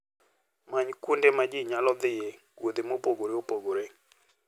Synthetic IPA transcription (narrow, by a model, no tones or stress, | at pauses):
maɲkundemad͡ʒiɲalɔd̪ɪje | ɡwod̪emopoɡoɾeopoɡoɾe